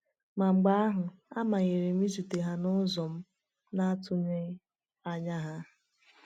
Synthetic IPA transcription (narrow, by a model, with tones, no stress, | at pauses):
ma˨ŋ͡m̩˨ɡ͡ba˦a˦ɦʊ˨a˦ma˨ɣe˨ɾe˨mi˦zu˨te˨ɦa˦nʊ˦zɔ˨m̩˦ | na˦tʊ˦ɲe˦ | a˦ɲa˦ɦa˦